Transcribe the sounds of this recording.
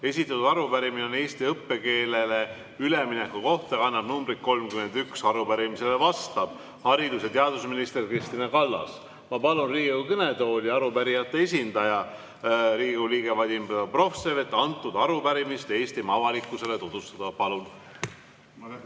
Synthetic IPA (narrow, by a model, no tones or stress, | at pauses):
e̞sʲit̪ːˑɑt̪ud̪ɑɾupæɾimineone̞ːst̪iɤpːe̞ke̞ːlele̞ | yleminekːuko̞ht̪ɑɑnːɑb̥numbɾit̪̚ko̞lmkymend̪yksɑɾupæɾimise̞le̞vɑst̪ɑb̥̚ | hɑɾid̪us̬et̪eɑd̪usminist̪erkrist̪inɑkɑlːɑ̰s | mɑpɑlunriːɡwkɤne̞t̪o̞ːlʲiɑɾupæɾijɑt̪ːe̞esʲind̪̥ɑjɑ | ɾiːɡuliːɡ̥e̞vɑd̪ʲimbed̪ɑpro̞fseɾet̪ːˑɑnt̪ːˑud̪̥ɑɾupæɾimist̪e̞ːst̪imɑvɑlikːˑuse̞le̞t̪ud̪̥ust̪ɑd̪̥ɑpɑlun